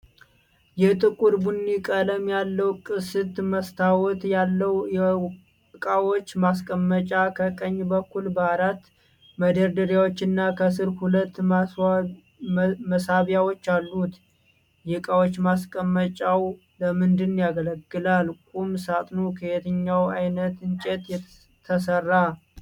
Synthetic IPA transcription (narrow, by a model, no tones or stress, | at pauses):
jɛt̪ʼɨkʼuɾbunːikʼələmjalːəwkʼɨsɨt̪məst̪ʰawɔt̪jalːəwjɛ | kʼawot͡ʃːmaskʼəmːət͡ʃʼakʰəkʼəɲːbəkːulbəaɾat̪ː | məd̪əɾd̪əɾjawot͡ʃːɪnːakʰəs̬ɨɾhulət̪ː | məsaβjawo̞t͡ʃːalːut̪ | jɪkʼawot͡ʃːmaskʼəmːət͡ʃʼaw | ləmɨnd̪ɨnːjaɡələɡːɨlalkʼumsat̪ʼnokʰəhet̪ʰɨɲːawajnət̪ɨnt͡ʃʼet̪jɛ | t̪ʰːəs̬ərːa